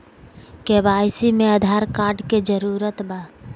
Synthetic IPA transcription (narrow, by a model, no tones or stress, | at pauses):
keːbaːjsimẽəd̪ʱaːɾkaːɾɖked͡ʒəɾuːɾət̪baː